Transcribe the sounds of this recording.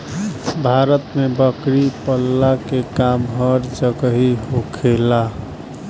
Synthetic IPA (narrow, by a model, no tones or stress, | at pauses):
bʱaɾət̪mebəkɾipəlːakekamɦəɾd͡ʒəɡəɦiɦokʰela